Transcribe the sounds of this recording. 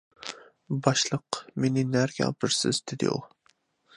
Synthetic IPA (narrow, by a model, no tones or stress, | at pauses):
bɑʃlˠəqmenɪnæɾɡʲɛ̰bɪɾsɪ̰zd̪ɪd̪ɪ̰ṵlˠ